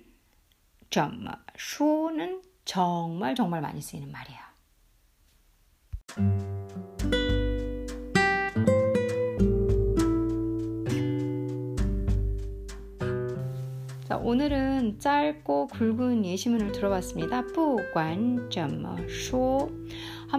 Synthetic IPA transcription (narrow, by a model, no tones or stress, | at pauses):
t͡ɕʌ̰msʰunɯn | t͡ɕʌŋmaɭt͡ɕʌŋmaɭma̰ɲis͈uinɯnmaɾijo | t͡ɕa̰ʔonɯɾɯnt͡ɕ͈aɭk͈okuɭɡunjeɕʰimunɯɭtɯɾʌwas͈ɯmɲidap͈uɡ͈want͡ɕʌm̰sʰo | ha